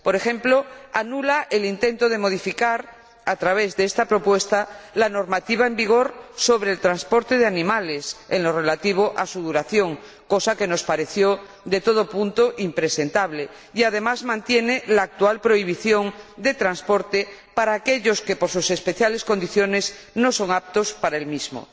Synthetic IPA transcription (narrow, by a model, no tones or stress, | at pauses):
po̞ɾe̞xẽ̞mploanulaʔelint̪e̞nt̪oð̞e̞mo̞ð̞ifikaɾ | at̪ɾaβ̞e̞zðeest̪apɾo̞pwe̞st̪alano̞ɾmat̪iβaembiɣ̞o̞ɾso̞βɾeːlt̪ɾanspo̞ɾt̪e̞ð̞eanĩmale̞senlo̞re̞lat̪iβ̞oʔasuðuɾaθjo̞ŋ | ko̞sake̞no̞spaɾe̞θjo̞ | ðe̞t̪o̞ð̞opunt̪oʔimpɾese̞nt̪aβle | iað̞e̞mazmãnt̪je̞nelaːk̚t̪ualpɾo̞iβ̞iθjo̞ŋd̪e̞t̪ɾanspo̞ɾt̪epaɾaːkeʎo̞ske̞poɾsuse̞spe̞θjale̞sko̞nd̪iθjo̞ne̞s | no̞so̞ŋap̚t̪ospaɾaelmizmo̰